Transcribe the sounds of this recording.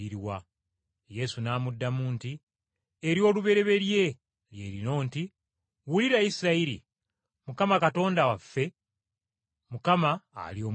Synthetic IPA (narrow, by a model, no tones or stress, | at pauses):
iɾiwa | je̞sunaːmudːamuːnti | eɾjo̞ːluβe̞ɾe̞βe̞lje̞ | lje̞̰ɾino̞ːnti | wuliɾaisiɾaiɾḭ | mukamakato̞ːndawafːe̞ | mukama̰ːlio̞ː